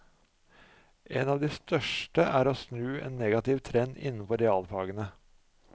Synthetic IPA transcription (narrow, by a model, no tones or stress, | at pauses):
ʔeːnɑːʋd̪iːst̪œʃʈəʔæːɾoːsnʉːḛːnːeːɡɑt̪ɪʋt̪ʰɾɛnɪ̰nn̩fɔɾɛɑːlpʰɑːɡənə